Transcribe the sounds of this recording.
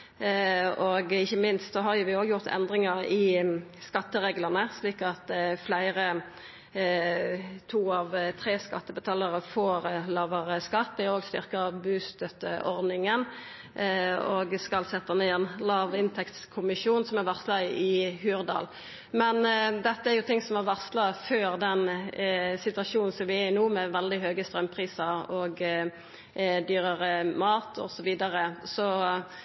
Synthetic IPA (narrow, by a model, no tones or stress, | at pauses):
ɔɡɪçːəmɪnst̪sɔɦɑʁjʊʋɪoːɡjʊʁt̪ʰɛ̰nd̪ʁɪŋəʁɪskɑt̪ːəʁeːɡləʁnəsliːkɑt̪flæɪʁə | t̪ʰuːɑʋt̪ʰʁeːskɑt̪ːəbət̪ʰɑːləʁəfoːʁlɑːʋɑʁəskɑt̪̚bɪoːɡst̪ʏ̰ʁkɑbʉːst̪œt̪əʔɔʁd̪nɪŋən | oɡskɑlsɛt̪ːəneːɛnlɑːʋɪnt̪ʰɛkt̪skʰʊmɪʃuːnsɔmæɾʋɑʁslɑɪhʉːʁd̪ɑ̰ːl | mɛnd̪ɛt̪ːəæɾjʊt̪ʰɪŋsɔmæɾʋɑslɑføːɾd̪ɛn | sɪt̪ʉʋɑʂuːnn̩sɔmʋɪæɪnuːmɛʋɛld̪ɪɦøːɡəst̪ɾœmːpʰʁiːsəɾɔɡ | d̪yːɾəʁəmɑːt̪ʰɔ̰sɔʋiːd̪əʁəsɔ